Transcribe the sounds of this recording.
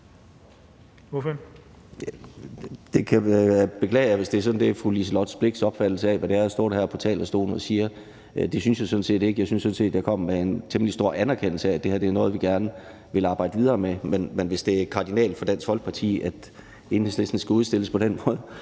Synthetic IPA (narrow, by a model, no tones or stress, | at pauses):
d̥e̝kʰæb̥e̝kʰlɛ̰ːɪjaʋe̝sd̥e̝æɐsɒ̽dn̩d̥e̝fʁulisəlɒd̥sb̥le̝ɡ̥sɒ̽b̥fæd̥l̩səɛʋæɾ̥æɐsd̥ɔ̰ːd̥hæɐpʰɒt͡sʰɛ̰ːlɐsd̥o̝̰ːnɒsiːɐ | d̥e̝synsjasɔ̽n̩se̝̰ːd̥e̝ɡ̥əjɑ̈ɪsynsːɔ̽n̩se̝̰ːd̥j̥æɐkʰɒ̽m̰mee̝nt͡sʰeməlisd̥o̝ɐ̰ænæɐkʰen̰l̩səææd̥e̝hæɐd̥eæɐnɔ̽ːð̞̩ˠʋiɡ̥æɐnə | ʋe̝lɑ̈ːb̥ɑ̈ɪ̰dəʋið̞ˠɐːmemenmenʋe̝sd̥e̝æɐkʰɑ̈ːd̥inɛ̰ːld̥fɒ̽d̥æn̰shɒ̽lɡ̥̚pʰɑ̈t͡sʰḭːʔæd̥ | e̝nhesle̝sd̥n̩əsɡ̥æuð̞ˠsd̥e̝ləspʰɒ̽ɾ̥enmɔ̽ːð̞ˠ